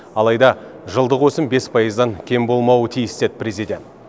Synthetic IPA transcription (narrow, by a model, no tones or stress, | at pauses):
ɑlˠɑjd̪ɑʒəlˠd̪əqwɵsɪmbe̞spʰɑjəzd̪ɑŋkʲʰe̞mbo̞lˠmɑwət̪ʰijɪst̪e̞d̪ɪpre̞zid̪ʲe̞nt̪̚